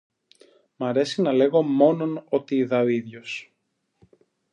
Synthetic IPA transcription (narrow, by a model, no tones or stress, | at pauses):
mɐɾe̞sinɐle̞ɣo̞mo̞no̞no̞t̪iːðɐoiðʝos